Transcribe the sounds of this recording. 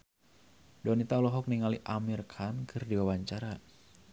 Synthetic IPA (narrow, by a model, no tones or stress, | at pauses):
dɔnit̪aulɔɦɔk̚niŋaliʔamirkʰankʰɨrdiwawaɲt͡ʃaɾa